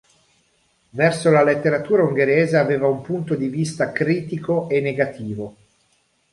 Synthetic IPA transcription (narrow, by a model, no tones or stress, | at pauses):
vɛrsolalet̪ːeɾat̪uːɾauŋɡeɾeːzeaveːvaumpunt̪od̪ivist̪akɾiːt̪ikoenːeɡat̪iːvo